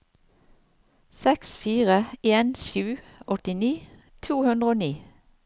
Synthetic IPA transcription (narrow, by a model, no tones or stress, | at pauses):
sɛksfiːʁəeːnʃʉː | ʔɔt̪ɪniː | t̪ʰuːhʉnd̪ʁəoːniː